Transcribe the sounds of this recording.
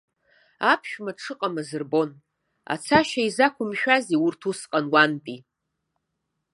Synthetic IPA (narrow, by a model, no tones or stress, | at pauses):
apʰʃᶣmaʈ͡ʂʰɨqʼamazɨrbo̞n | a̰t͡sʰaʃaizakʷʊmʃᶣaziurtʰusqʼanwantʼi